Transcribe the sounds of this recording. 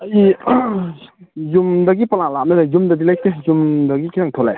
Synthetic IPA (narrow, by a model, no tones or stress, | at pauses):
ɐji | zumdɐɡipɐlalanenazumdɐdilajk̚tezumdɐɡikʰiɾaŋtʰola̰j